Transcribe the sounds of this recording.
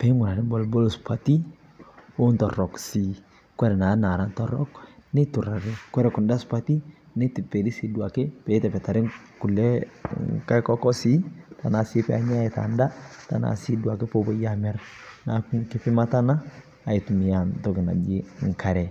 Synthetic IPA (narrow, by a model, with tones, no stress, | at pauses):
pɛ˦ŋʊ˨ɾa˨ɾi˦bɔ˦lbɔ˦lspa˨ti˦ | o˦ntɔ˨ɾɔ˨ksi˨ | kwɛ˦ɾɛ˨na˨˦na˨ɾa˦ntɔ˦ɾɔ̰˦kne˦tu˨ɾa˨ɾe˦kwɛ˦ɾɛ˨kʊ˨nda˦spa˦ti˦nɛ˦ti˨pɛ˨di˦si˨du˨a˨ke˦pɛ˨˦tɛ˨pɛ˨ta˨ɾɪ˦ | ku˨lɛ˦ka˦kɔ˦kɔ˦si˦ta˨na˨sɪ˦pɛ˦a˨ɲa˦a˦i˨ta̰˨nda˦ta˨na̰˨si˦du˨a˨ke˦po˦bɔ˦ja˦mɛ˦ɾna˨˦kkɪ˦pɪ˦ma˦ta˦naː˦˨ | ɪ˨tu˨mi˨ja˨ntɔ˨˦kɪ˨na̰˨d͡ʒi˦ŋ̩˨ka˨ɾɛ˨